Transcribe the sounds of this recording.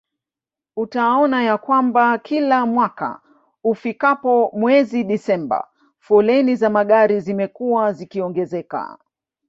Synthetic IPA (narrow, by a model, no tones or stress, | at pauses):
utaɔnajakwambakʰilamwaka̰ | ufikapɔmwɛziɗisɛmba̰ | fɔlɛnizamaɠaɾizimɛkuwazikiɔŋɡɛzɛka̰